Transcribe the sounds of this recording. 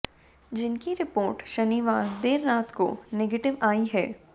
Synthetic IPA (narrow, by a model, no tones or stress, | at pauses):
d͡ʒɪnkiɾɪpoːɾʈʃɐniʋaːɾd̪eːɾːaːt̪ko̰neɡeːʈɪʋaːiɦɛː